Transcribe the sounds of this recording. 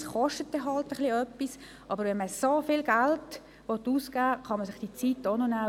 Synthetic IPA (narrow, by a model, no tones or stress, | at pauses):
sχɔʃtət̚dɛɦɑltəχliœpːis | ʔɑbəɾʋɛnməsofɪlɡælt | ʋɔtuːskæːχɑməsɪχd̥it͡siːtːonona